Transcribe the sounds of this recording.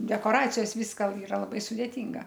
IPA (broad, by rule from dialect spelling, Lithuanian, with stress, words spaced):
dʲɛkoːˈrɑːt͡sʲɪjoːs ˈʋʲiːskɐ ɪˈrɐ lˠɐˈbɐɪ sʊdʲeːˈtʲiːŋɡɐ